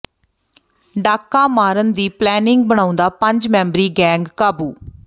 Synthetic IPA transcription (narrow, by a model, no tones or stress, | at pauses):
ɖaːkːaːmaːɾənd̪iːplɛːnɪŋɡ̚bəɳ̃aːʊ̃nd̪aːpəɲd͡ʒmɛ̃ːmbɾiːɡɛ̃ːŋɡkaːbuː